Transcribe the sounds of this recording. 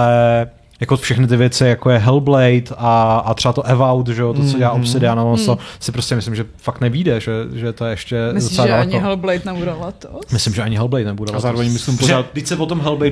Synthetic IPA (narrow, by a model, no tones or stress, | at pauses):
ɛ | jakofʃɛxnɪt̪̬ɪvjɛt͡sɪjakojɛɦɛlblɛjt̪aːt̪ɾ̥ɛbat̪oʔɛvawt̪ʒɛot̪ot͡soɟɛlaːʔopsɪdɪanalonsosɪpɾoscʲɛmɪslɪmʒɛfakt̪nɛviːdɛʒɛʒɛt̪ojɛɛʃcɛmɪdot͡sɛlaːdalɛɲoɦɛlblɛjt̪nɛbudolat̪omɪslɪmʒɛʔaɲɪɦɛlblɛjt̪nɛbudalazaːɾovɛɲmɪslɪmpoɛaːt̪dɪcsɛvot̪omɦɛlblɛj